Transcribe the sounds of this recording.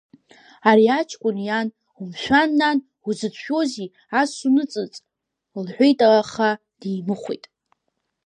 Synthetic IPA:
aɾiat͡ʃʰʼkʷʼʊnjan | umʃᶣanːan | uzɨt͡ʃʷʰkʲo̞zi | asunɨt͡sʼɨt͡sʼ | lħʷejtʼalaχa | d̥ejmɨχʷḛjtʼ

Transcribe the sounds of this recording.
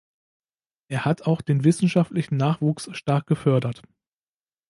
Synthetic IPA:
ʔeːɐhatʰaʊxd̥eːnvɪsn̩ʃaftlɪçn̩nːaːχv̥uːksʃtaɐk̚ɡ̥əfœɐdɐt

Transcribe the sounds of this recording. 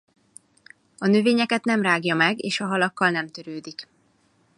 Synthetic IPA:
ɒnøveːɲɛkɛt̪nɛmraːɡjɒmɛɡeːʃɒɦɒlɒkːɒlnɛmt̪øɾøːd̪ik

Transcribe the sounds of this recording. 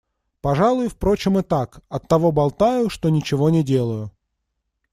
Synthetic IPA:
pɐʐalˠʊjʊfpɾo̞t͡ɕɪmɨt̪akɐt̪ːɐvobɐlˠt̪ajʊʂt̪onʲɪt͡ɕɪvo̞nʲɪdʲe̞lˠʊjʊ

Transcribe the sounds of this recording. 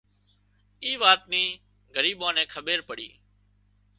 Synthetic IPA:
iːʋaːt̪̚niː | ɡəɾiːɓãːnẽːkʰəɓeːɾpəɽḭː

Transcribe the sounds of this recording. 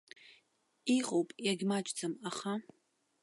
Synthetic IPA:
iqʼowpʼjaɡʲmat͡ʃʼd͡zʼɨmaχa

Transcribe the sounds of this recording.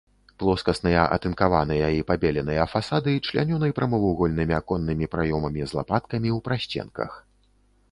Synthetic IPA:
plˠɔskɐsnɨjɐʔɐ̰t̪ɨnkavanɨjɐipabʲɛlʲɛnɨjɐfasad̪ɨt͡ʂlʲa̰nʲɔnɐjpɾɐmɐvuɣɔlʲnɨmʲiakɔnːɨmʲipɾajɔmɐmʲizlˠa̰pat̪̚kɐmʲiwpɾaɕʲt͡sʲɛ̰nkɐ̰x

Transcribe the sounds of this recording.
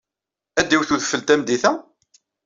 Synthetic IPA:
æd̪ːiwθuðfəlt̪æmd̪iθæ

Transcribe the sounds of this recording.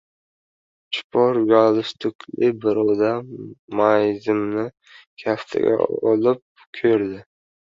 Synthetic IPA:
t͡ʃʰʊ̥pʰɒɾɡalˠɪst̪ʰʊkʲʰlɪbɪɾɒwd̪amajzɪmnɪ | kʲʰast̪ʰɪ̰ɡʲa̰ɒ̰lɪp̚ | kʲʰɵɾd̪ɪ

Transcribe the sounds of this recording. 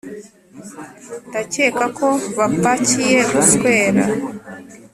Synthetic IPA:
ndace̞ːkakʰo̞βapacije̞βaskwe̞ːɾa̰

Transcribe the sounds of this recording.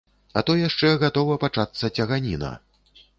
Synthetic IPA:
ɐt̪ɔjaʂt͡ʂɛɣat̪ɔvɐpat͡ʂat̪sːɐt͡sʲɐɣanʲinɐ̰

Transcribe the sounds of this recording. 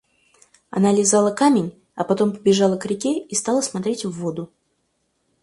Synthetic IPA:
ɐ̰nalʲɪzalˠəkamʲɪnʲ | ɐpɐt̪o̞mpəbʲɪʐɑlˠəkɾʲɪkʲeist̪ɑlˠəsmɐt̪ɾʲetʲvːo̞d̪ʊ

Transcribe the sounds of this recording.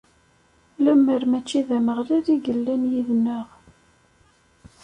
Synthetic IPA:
læmːəɾmæt͡ʃːiðæməʁliɾiɡəlːænjiðnəʁ

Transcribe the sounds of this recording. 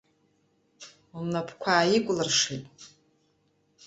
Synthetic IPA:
umnapʰkʷʰaːjɪkʷʼlɨrʂitʼ

